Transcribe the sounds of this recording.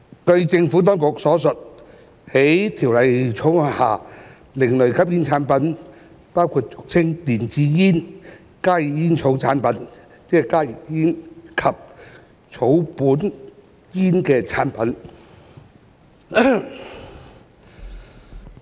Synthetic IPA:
kɵ˧ɥt͡sɪ˧ŋfu˨˥t̪̬ɔː˥ŋkʊ˨k̚sɔː˨˥sɵ˨t̚ | he˨˥jt̪ʰiː˨˩wlɐ˨jt͡sʰʊ˨˥ŋ˧haː˨˩ | lɪ˨˩ŋlɵ˨˩ɥkʰɐ˥p̚jiː˥nt͡sʰaː˨˥npɐ˨˥n | paː˥wkʰuː˧t̚t͡sʊ˨k̚t͡sʰɪ˥ŋt̪iː˨˩nt͡siː˧jiː˥n | kaː˥ji˨˩jiː˥nt͡sʰo˨˥wt͡sʰaː˨˥npɐ˨˥n | t͡sɛː˥kaː˥ji˨jiː˥nkʰɐ˨p̚ | t͡sʰo˨˥wpuː˨˥n | jiː˥nkɛː˧t͡sʰaː˨˥npɐ˨˥n

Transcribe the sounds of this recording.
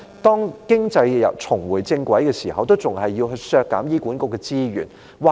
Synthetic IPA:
t̪ɔː˥ŋkɪ˥ŋt͡sɐ˧jjɐ̰˨˩wt͡sʰʊ˨˩ŋwu˨˩jt͡sɪ˧ŋkwɐ˨˥jɡə˧siː˨˩hɐ˨˧wt̪o˥wt͡sʊ˨˩ŋhɐ˨˩jːi˧wɦɵ˧sœː˧kːa̰˨˧˥mjiː˥kʷuː˨˥nkʊ˧k̚ɛ˧t͡siː˥ɥy̰˨˩n | wa˧

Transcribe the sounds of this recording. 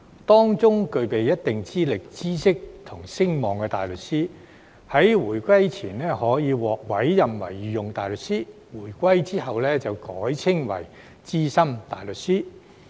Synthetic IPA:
t̪ɔː˥ŋt͡sʊ˥ŋkɵ˧ɥpe˨jɐ˥t̚t̪ɪ˨ŋt͡siː˥lɪ˨k̚t͡siː˥sɪ˥k̚t̪ʰʊ˨˩ŋsɪ˥ŋmɔː˨˩ŋkɛː˧t̪aː˨jlɵ˨t̚siː˥ | hɐ˨˥jwuː˨˩jkʷɐ˥jt͡sʰiː˨˩nlɛː˥hɔː˨˥jiː˨˧wɔː˨k̚wɐ˨˥jːɐ˨mwɐ̰˨˩jjiː˨˧jʊ˨ŋt̪aː˨jlɵ˨˩t̚siː˥ | wuː˨˩jkʷɐ˥jt͡siː˥hɐ˨wlɛː˥t͡sɐ˨wkɔː˨˥jt͡sʰɪ˥ŋwɐ̰˨˩j | t͡siː˥sɐ˥mt̪aː˨jlɵ˨t̚siː˥

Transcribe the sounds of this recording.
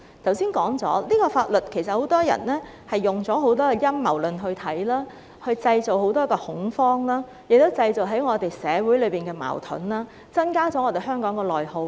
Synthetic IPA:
t̪ʰɐ˨˩wsiː˥nkɔː˨˥ŋt͡sɔː˨˥liː˥kɔː˧faː˧t̚lɵ˨t̚kʰe˨˩js̬ɐ˨t̚ho˨˧˥wt̪ɔː˥jɐ̰˨˩nlɛː˥ | hɐ˨jːʊ˨ŋt͡sɔː˨˥ɦo˨˥wt̪̬ɔː˥kɛ˧jɐ˥mːɐ˨˩wlɵ˨nɦɵ˧ɥt̪ʰɐ˨˥jlaː˥ | hɵ˧ɥt͡sɐ˧jt͡so˨wɦo˨˥wt̪ɔː˥kɔː˧hʊ˨˥ŋfɔː˥ŋlaː˥ | jɪ˨k̚t̪o˥wt͡sɐ˧jt͡so˨wɦɐ˨˥jŋɔː˨˧t̪e˨jsɛː˨˧wuː˨˥jlɵ˨˧ɥpiː˨nkɛː˧ma̰ː˨˩wt̪ʰɵ̰˨˥nlaː˥ | t͡sɐ˥nkaː˥t͡sɔ˨˥ŋɔː˧t̪e˨˩jɦœː˥ŋkɔː˨˥ŋkɔː˧lɔː˨jho˧w

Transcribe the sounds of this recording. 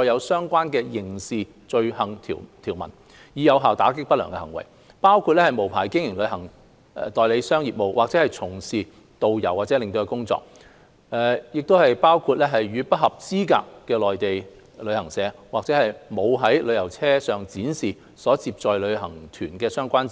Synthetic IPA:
ɔː˧jɐ˨˧wsœː˥ŋkʷaː˥nkɛː˧jɪ˨˩ŋsiː˨ | t͡ʃɵ˧ɥhɐ˨˩ŋt̪ʰḭː˨˩t̪ʰiː˨˩wmɐ̰˨˩n | jiː˨˧jɐ˨˧wɦaː˨˩wt̪aː˨˥k̬ɪ˥k̚pɐt̚lœː˨˩ŋkɛ˧hɐ˨˩ŋwɐ̰˨˩j | paː˥wkʰu˧t̚lɛ˥hɐ˨˩jmo˨˩wpʰa̰ː˨˩jkɪ˥ŋjɪ˨˩ŋlɵ˨˧˥hɐ˨˩ŋ̰˨˧ | t̪ɔː˨jle˨˧jsœː˥ŋjiː˨p̚mo˨˧wʔaː˨k̚t͡sɛː˨˥hɐ˨jt͡sʰʊ˨˩ŋsiː˨˩ | t̪o˨wjɐ˨˩waː˨˩t͡sɛː˨˧˥lɪ˨ŋt̪o˧kɛ˧kʊ˥ŋt͡sɔ̰ː˧˥k̚ | ɛː˨˩jɪ˨k̚t̪o˥whɐ˨jpaː˥wkʰuː˧t̚lɛː˥ɦɐ˨jɥyː˨˧pɐ˥t̚hɐ˨p̚t͡siː˥ka̰ː˧kːɛː˧lɔː˨jt̪e˨j | lɵ˨˧ɥhɐ˨˩ŋsɛː˨˥ | waː˨k̚t͡sɛː˨˥hɐ˨jmo˨˧wɦɐ˨˥jlɵ˨˧ɥjɐ˨˩wt͡sʰɛː˥sœː˨ŋt͡siː˨˥nsiː˨ | sɔː˨˥t͡siː˧p̚t͡sɔː˨˧jlɵ˨˧ɥhɐ˨˩ŋt̪ʰyː˨˩nkɛː˧sœː˥ŋkʷaː˥n˥

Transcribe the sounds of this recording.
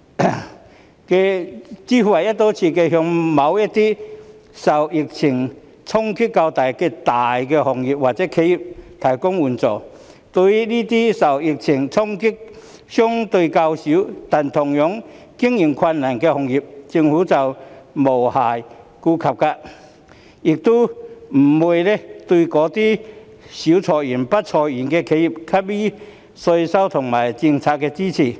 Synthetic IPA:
kɛ˧t͡siː˥fu˧hɐ˨˩jɐ˥t̚t̪ɔ˨˥t͡sʰiː˧kɛː˧ɦœ˧ŋmɐ˨˥wjɐ˥t̚t̪iː˥sɐ˨˩wjɪ˨k̚t͡sʰɪ˨˩ŋ | t͡sʰʊ˥ŋkʰy˥ka˧wt̪aː˨jkɛː˧t̪aː˨˩jkɛ˧hɔ˨˩ŋji˨p̚waː˨k̚t͡sɛː˨˦˥kʰe˨˧˥ji˨˩p̚t̪ʰɐ˨˩jkʊ˥ŋwuː˨˩nt͡sɔː˨˩ | t̪ɵ˧jliː˥t̪iː˥sɐ˨˩wjɪ˨˩k̚t͡sʰɪ˨˩ŋt͡sʰʊ˥ŋkʰi˥k̚ | sjʊ˥ŋt̪ɵ˧ka˧wsi˨˥wt̪a˨˩nt̪ʰʊ˨˩ŋjɔ˨˥ŋ | ki˥əŋji˨˩ŋkʰwa˧nːa˨˩nke˧hʊ˨˧˩ŋji˨˩p̚t͡ɕi˧ŋhu˨˦t͡sa˨˧wmo˨˩wha˨˩j | ku˧kʰa˨˩p̚ka˧ʔ | i˨˩k̚t̪u˦m̩˨˩mu˧jle˧t̪wu˧kɔː˨˧˦t̪i˦˥ | ɕi˨˦wt͡sʰɔ˨˩ji˨˩npa˦˥t̚t͡sʰɔ˨˩ji˨˩nke˧kʰe˨˧˥ji˨˩p̚kʰa˦˥p̚bi˦˥ | so˧jsa˦˥wt̪ʰʊ˨˩ŋma˨˩jt͡ɕi˧ŋt͡sʰa˧k̚kːɛ˧t͡ɕi˥t͡sʰi˧˩

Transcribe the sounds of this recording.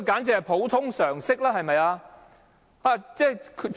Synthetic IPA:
kaː˨˥nt͡sɛ˧˨˩pʰo˨˥wt̪ʰʊ˥ŋsœː˨˩ŋsɪ˥k̚laː˥ɦɐ˨jmɐ˨jaː˧ | aː˧t͡sɛː˥˩kʰ

